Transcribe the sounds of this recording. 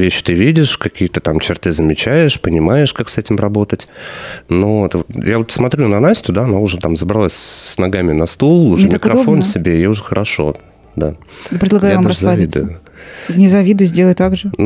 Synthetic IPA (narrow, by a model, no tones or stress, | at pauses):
vʲeɕːt̪ɨvʲidʲɪʂkɐkʲijət̪ət̪amt͡ɕɪrt̪ɨzəmʲɪt͡ɕæjɪʂpənʲɪmajɪʂkaksɛtʲɪmɾɐbo̞t̪ətʲnot̪vot̪javo̞t̪smɐt̪ɾʲunɐnasʲtʲʊd̪aɐnaʊʐɛt̪amzəbɾɐlˠasʲsnɐɡamʲɪnɐst̪ulˠʊʐmɪkɾɐffonsʲɪbʲejeʊʐɛxəɾɐʂo̞̰ | d̪apɾʲɪdlˠɐɡajʊvampɾɐszlˠavʲɪid̪ʊjʊnʲɪzɐvʲid̪ʊjzʲdʲelˠəjt̪aɡʐɨ